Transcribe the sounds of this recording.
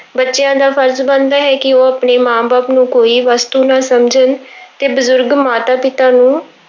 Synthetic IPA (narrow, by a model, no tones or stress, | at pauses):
bətːʃɪjãːd̪aːpʰəɾzbə̃nd̪aːɦɛːkɪoːapɳeːmãːbaːpnũːkoːiːʋaːst̪uːnaːsəmd͡ʒənt̪eːbəzʊɾɡmaːt̪aːpɪt̪aːnũː